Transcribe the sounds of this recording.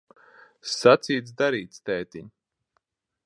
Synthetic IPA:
sat̪siːt̪sd̪aɾiːt̪st̪ɛːt̪iɲ

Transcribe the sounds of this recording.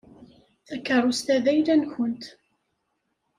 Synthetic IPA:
θækːəɾˤust̪æðæjlænçʊnt̪

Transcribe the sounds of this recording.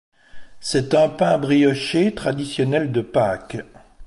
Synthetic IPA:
sɛt̪ɛ̃pɛ̃bʁijɔʃet̪χad̪isjɔnɛld̪əpakʲ

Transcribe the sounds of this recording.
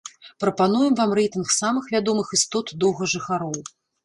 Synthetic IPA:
pɾɐpanujɛmvamrɛjt̪ɨnxsamɨxvʲad̪ɔmɨxɨst̪ɔt̪d̪ɔwɣɐʐɨxaɾɔw

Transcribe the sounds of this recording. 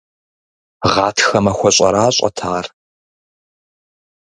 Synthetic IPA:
ʁɑːtʰxɐmɐxʷɔɕʼɐ̰ɾaːɕʼɐ̰tʰaːr

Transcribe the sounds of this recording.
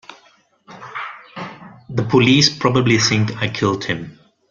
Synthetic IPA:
ðəpʰoliːspɹɔbəbliθɪ̃ŋkaɪkʰɪldhɪ̃m

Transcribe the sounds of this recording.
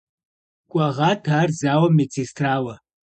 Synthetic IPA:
kʷʼɐʁɑːtʰaːrzaːwɐmet͡sʰeːstʰraːwɐ

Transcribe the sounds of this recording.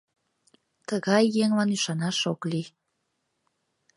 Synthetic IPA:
t̪əɣɑjːeŋlɑnyʃɑnɑʃokli

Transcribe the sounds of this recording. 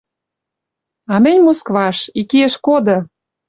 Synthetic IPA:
ɑmɘ̆nʲmoskβɑʃikieʃkod̪ɤ̆

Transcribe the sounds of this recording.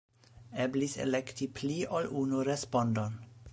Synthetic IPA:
eblisḛlektipʰliolʔunuɾespondon

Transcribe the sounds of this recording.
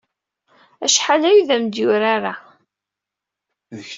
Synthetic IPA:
æʃħalæjðæmd̪jʊɾaɾa | ðəç

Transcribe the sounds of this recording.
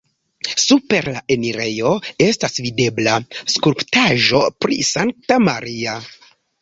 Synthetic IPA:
supe̞ɾlae̞niɾe̞jo̞e̞stasvide̞blaskuɾptaʒo̞pɾḭsaŋk̚tamaɾia

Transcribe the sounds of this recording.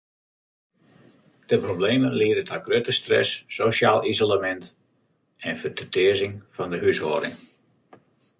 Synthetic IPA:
d̥əprobleːməlɪədətʰɔɡrøtəstrɛ̰sːosjaːlˠizolamɛnt | ɛnfətətɪəzɪŋfɑndəɦysho̰ːəɾɪ̰ŋ

